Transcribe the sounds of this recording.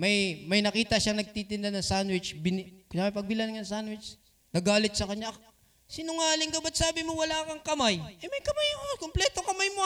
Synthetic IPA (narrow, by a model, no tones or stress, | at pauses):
mɐjmɐjnɐkiːt̪ɐʃaŋnɐɡ̚t̪it̪ɪnd̪anɐŋsanwɪt͡ʃbɪnkamɐpɐɡ̚bɪlanŋɐɐŋsanwɪt͡ʃ | nɐɡaːlɪt̪̚sɐkɐɲɲaʔ | sɪnʊŋaːlɪŋkɐbɐt̪̚saːbɪmowɐlaːkɐŋkɐmajʔɐjmɐjkɐmajɐkokomplɛːt̪o̞kɐmajmo